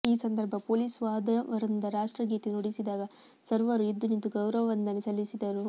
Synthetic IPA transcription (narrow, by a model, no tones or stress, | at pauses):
iːsɐnd̪ɐɾbʱɐpoːliːsʋaːd̪ɐʋɐɾind̪ɐɾaːʂʈɾɐɡiːt̪enoɽisid̪aːɡɐ | sɐɾʋɐɾuid̪ːunint̪uɡɐwɾɐʋɐʋɐnd̪ɐnesɐlːisid̪ɐɾu